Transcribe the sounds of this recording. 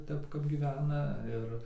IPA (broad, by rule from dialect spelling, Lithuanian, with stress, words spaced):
ˈtʲɛp kɐp ɡʲiːˈʋʲæːnɐ ˈɪr